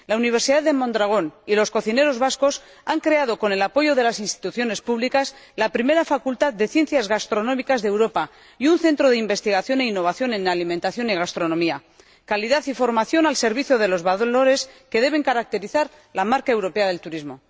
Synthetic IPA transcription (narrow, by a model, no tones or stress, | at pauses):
launiβ̞e̞ɾsiðaððe̞mõ̞nd̪ɾaɣ̞o̞nilo̞sko̞θine̞ɾo̞zβasko̞s | aŋkɾe̞að̞o̞ko̞ne̞lapo̞ʝo̞ðe̞lasinst̪i̥t̪uθjo̞ne̞spuβlikas | lapɾime̞ɾafakult̪aðde̞θje̞nθjazɣast̪ɾo̞nõ̞mikazðewɾo̞pa | iunθe̞nt̪ɾo̞ð̞eimbe̞st̪iɣaθjo̞ne̞inːo̞βaθjo̞nẽ̞nalimẽnt̪aθjo̞niɣ̞ast̪ɾo̞nõ̞mia | kaliðaθifo̞ɾmaθjo̞nalse̞ɾβiθjoðe̞lo̞zβaðlo̞ɾe̞ske̞ðe̞β̞e̞ŋkaɾak̚t̪e̞ɾiθaɾ | lamaɾkae̞wɾo̞pe̞aðe̞lt̪uɾizmo̞